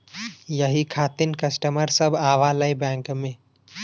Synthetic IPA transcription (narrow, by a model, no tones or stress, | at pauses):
jəɦikʰaːt̪ɪnkəsʈəməɾsəbʱaːʋaləibɛ̃ːŋkmẽ